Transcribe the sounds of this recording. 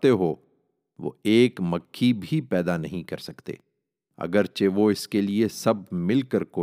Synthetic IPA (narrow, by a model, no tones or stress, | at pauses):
t̪eɦo | ʋo̰eːkmɐkʰːibʱipɛːd̪anɐɦĩkɐɾsɐkt̪ḛː | ɐ̰ɡəɾt͡ʃeʋoɪskeliesɐb̚ʱmɪlkəɾkoː